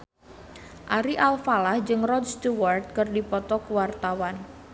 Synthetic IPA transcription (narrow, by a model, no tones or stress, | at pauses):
ʔaɾiʔalfalahd͡ʒɨŋrɔdst̪uwart̪̚kɨrdipɔt̪ɔkuwart̪awan